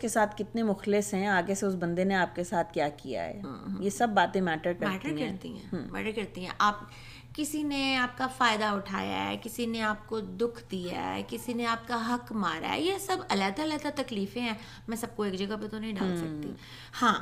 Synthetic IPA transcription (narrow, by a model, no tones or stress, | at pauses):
skesaːt̪ʰkɪt̪nemʊxlɪsɦɛ̃aːɡeseʊsbɐ̃nd̪eneaːp̚kesaːt̪̚ʰkjaːkija̰ɦɛ̰ːjesɐbːaːt̪ẽmɛːʈəɾkɐɾmɛːʈəɾkɐɾt̪ḭɦɛ̰̃ːmɛ̰ːʈəɾkɐɾt̪iɦɛ̰̃ʔaːp | kɪsineaːp̚kafaːɪd̪aʊʈʰa̰ːja̰ɦɛ̰kɪsineaːp̚kod̪ʊkʰd̪ija̰ɦɦɛ̰kɪsineaːp̚kaɦɐkmaːɾa̰ɦɛ̰jesɐbɐlɛːd̪alɛːt̪at̪ɐkliːfẽɦɛ̃ː | mɛ̃ːsɐb̚koeːkd͡ʒɐɡɐpet̪onɐɦĩɖaːl̃sɐk̚t̪ḭ | hãː